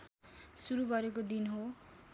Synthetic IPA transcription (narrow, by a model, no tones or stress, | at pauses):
suɾuɡʌɾek̬od̪inɦo